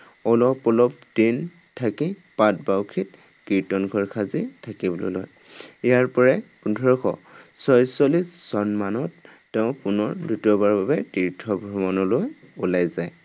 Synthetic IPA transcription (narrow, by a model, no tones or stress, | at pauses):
ɔlɔpɔlɔp̚din | tʰakipat̚bawkʰit | kiɹtɔnɡʱɔɹkʰazitʰakibɔlɔ̰lɔ̰j | ijaɹpɔɹɛpundʱɔɹɔkʰɔ̰sɔjsɔlisz̥ɔnmanɔtː | ɛʊ̃pʊnɔɹdutɔbaɹbabɛtiɹtʰɔbʱɹɔmɔnɔlojulajzaj